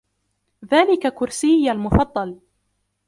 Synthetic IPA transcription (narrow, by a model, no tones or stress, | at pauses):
ðaːlɪkakʊɾsɪjːalmʊfɑd̪ˤːɑl